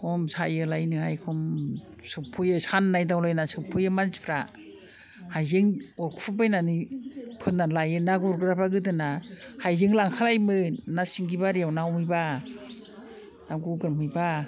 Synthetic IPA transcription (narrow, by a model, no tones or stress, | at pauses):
kʰɔmsajɯlajnihajkʰɔm | sɯpʰujɯsanːajdawlajnasɯpʰɯjɯmanspʰɾa | hajzeŋɔɾkʰu̥pʰɯbajnanipʰɯnːanlajɯnaɡuɾɡɯɾapaɡɯdɯnahajzeŋlaŋkʰalajmɯnasiŋɡibaɾijawnawmɯjba | naɡuɡɯɾmɯjba